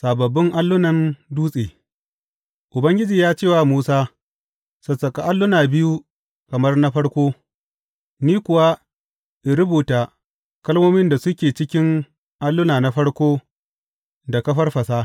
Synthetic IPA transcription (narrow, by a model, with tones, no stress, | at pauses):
saː˨bɐ˨bːɪ˦ŋʔa˦lːʊ˦nɐ˨nduː˦sʼeː˨ | ʔʊ˨bɐ˦ŋɡʲɪ˦d͡ʒiː˨jaː˦t͡ʃeː˦˨waː˨muː˦saː˦ | sɐ˨sɐ˨kʼa˨ʔa˦lːʊ˦naː˨bɪ˦ju˦ | kɐ˨mɐ˦rna˦ɸɐ˦ɽkʷoː˦ | niː˦kʷʊ˨wa˦ | ʔɪ˨ɾʊ˦buː˨taː˨ | kɐ˦lmoː˦mɪ˦nda˨sʊ˦kʲeː˨t͡ʃɪ˦kʲɪ˦ŋ | ʔa˦lːʊ˦naː˨na˦ɸɐ˦ɽkʷoː˦ | da˨kɐ˦ɸɐ˦rɸɐ˨saː˦